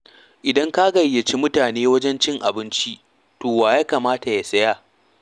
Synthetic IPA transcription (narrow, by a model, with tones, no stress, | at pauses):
ʔɪ˨dɐ˦ŋka˦ɡɐ˨jːɐ˨t͡ʃi˦mʊ˦taː˨neː˦wɐ˦d͡ʒɛ˦nt͡ʃɪ˦ŋʔa̰˨bɪ˦nt͡ʃi˦ | toː˨waː˨jaː˦kaː˨maː˦ta˨ja˨sɐ˦jaː˦